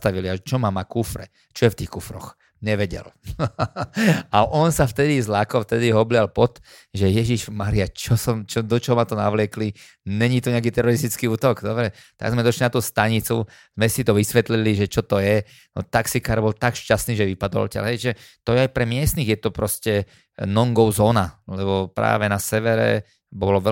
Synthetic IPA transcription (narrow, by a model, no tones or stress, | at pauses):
t̪aʋiliaɛt͡ʃɔmamakufɾɛ̰ | t͡ʃɔjɛft̪iːxkufɾɔ̰x | ɲɛʋɛɟɛ̰l | aʔɔnsaft̪ɛd̪izlakɔft̪ɛd̪iɦɔblɪalpɔt̪ | ʒɛjɛʒiʒmaːɾiat͡ʃɔsɔmt͡ʃɔd̪ɔt͡ʃɔɦɔmat̪ɔnaʋlɪɛkli | ɲɛɲit̪ɔɲɛakit̪ɛɾɔɾist̪it͡skiuːt̪ɔɡd̪ɔbɾɛt̪a̰ɡzmɛd̪ɔʃlinat̪uːst̪aɲit͡su | z̥mɛsit̪ɔʋisʋɛt̪liliʒɛt͡ʃɔt̪ɔjɛ | nɔ̰t̪aksikaːɾbɔlt̪akʃcast̪niːʒɛʋipad̪ɔ̰lcɛ̰lɦɛjʒɛt̪ɔjɛajpɾɛmɪɛst̪niɣjɛt̪ɔpɾɔscɛ | nɔŋɡɔʊzɔːnalɛβɔpɾa̰ːʋɛnasɛʋɛɾɛ̰ | bɔlɔʋɛ